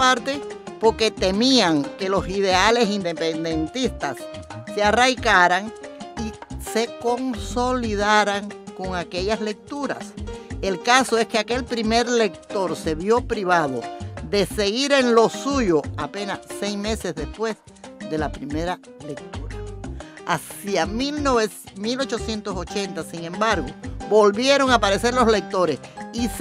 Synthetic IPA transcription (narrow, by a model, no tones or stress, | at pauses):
paɾt̪e̞po̞ɾke̞t̪e̞miaŋke̞lo̞siðe̞ale̞sind̪e̞pe̞nd̪e̞nt̪ist̪asːearajkaɾaŋise̞ko̞ŋso̞liðaɾaŋko̞ŋake̞ʎasle̞k̚t̪uɾa̰se̞lkaso̞e̞skeake̞lpɾime̞ɾle̞k̚t̪o̞ɾse̞βjo̞pɾiβaðo̞̰ðe̞se̞ɣiɾe̞nlo̞suʝo̞ape̞nase̞jsme̞se̞zðe̞spwe̞s | ðe̞lapɾime̞ɾa | le̞k̚t̪uɾaasiamilnoβemilo̞t͡ʃo̞sje̞nt̪oso̞t͡ʃe̞nt̪asiŋẽ̞mbaɾɣobo̞lβje̞ɾo̞ŋapaɾe̞se̞ɾlo̞sle̞k̚t̪o̞ɾe̞sis